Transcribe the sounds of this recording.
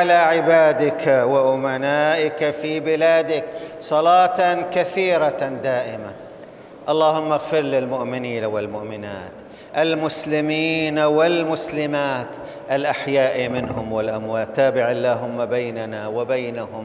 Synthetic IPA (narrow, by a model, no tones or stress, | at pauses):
ʕalaʕɪbaːd̪ɪkwɪʔʊmanaːʔɪkafibɪlaːd̪ɪksˤɑlɑːt̪kaθiːɾad̪aːʔɪma | ʔɑlˤːɑːɦʊmːaɣfɪɾlɪlmʊʔmɪniːnawɪlmʊʔmɪna̰ːt̪ | ʔalmʊslɪmiːnawɪlmʊslɪmaːt̪ | ʔalʔaħjaːʔimɪnɦʊmwɪlʔamwaːt̪ːaːbɪʕalːaːɦʊmːabajnanawɪbajnahʊm